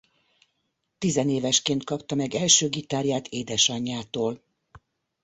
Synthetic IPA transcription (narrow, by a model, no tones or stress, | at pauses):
t̪izɛneːvɛʃkeːnt̪̚kɒpt̪ɒmɛɡɛlʃøːɡit̪aːɾjaːt̪ʰeːd̪ɛʃɒɲːaːt̪oːl